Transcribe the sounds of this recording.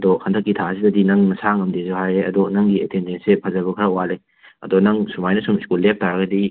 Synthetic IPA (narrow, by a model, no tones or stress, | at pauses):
dɔhʰɐndɐkːitʰasidɐdinɐŋnɐsaŋɐmdezuhajeɐdɔnɐŋɡietendensepʰɐzɐbɐkʰɐɾɐwale | ɐ̰dɔnɐŋsumajnɐsumiskulːep̚taɾɐɡɐdi